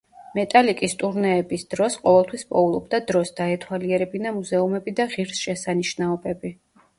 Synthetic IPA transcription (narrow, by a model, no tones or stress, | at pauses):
mɛt̪ʼalikʼist̪ʼuɾnɛːbisd̪̥ɾɔsqʼɔvɛlˠt̪ʰwispʼɔulˠɔbd̪ad̪ɾɔsd̪̥aɛt̪ʰwaliɛɾɛbinamuzɛumɛbid̪aʁiɾsʃɛsaniʃnaɔbɛbi